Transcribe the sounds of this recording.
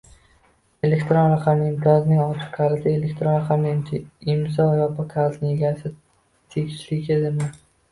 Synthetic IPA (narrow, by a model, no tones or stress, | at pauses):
e̞lekʲt̪ɾonɾaqʰɑmɪɪmt̪ʰɒznɪŋɒt͡ʃʰɪ̥qkʰaɾɪsɪelekʲt̪ʰɾonɾaqʰamnɪmʰɪmsɒvajapʰakʰaɾznɪŋjeɡʲaɾsɪ | t̪ʰeɡʲɪ̥ʃlɪkʲʰed̪ɪma